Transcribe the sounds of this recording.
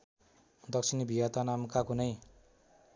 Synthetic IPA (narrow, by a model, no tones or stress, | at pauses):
d̪ʌksʰinbʱiat̪anamkakunʌj